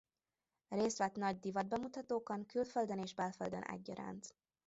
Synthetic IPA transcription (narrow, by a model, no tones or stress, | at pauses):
reːst̪ʋɛt̪nɒɟd̪ivɒd̪̚bɛmut̪ɒt̪oːkɒŋkylføld̪øneːʒbɛlføld̪ønʔɛ̰ɟːɒɾa̰ːnt̪